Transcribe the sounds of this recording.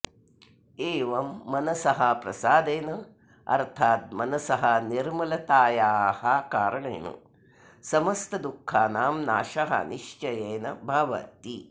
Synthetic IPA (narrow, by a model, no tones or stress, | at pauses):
eːʋɐmːɐnɐsɐɦɐpɾɐ̰saːd̪eːnɐ | ɐ̰ɾt̪ʰaːt̪̚mɐnɐsɐɦɐniɾmɐlɐt̪aːjaːhɐkaːɾɐɳḛːnṵ | sɐmɐst̪ɐd̪ukʰːaːnaːmnaːʃɐɦɐ̰niʂt͡ʃɐjeːnɐbʱɐʋɐ̰t̪i